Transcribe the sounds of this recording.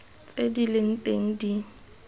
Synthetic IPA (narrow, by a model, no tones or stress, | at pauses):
t͡sʼedilɪŋ̩tʼeŋ̩di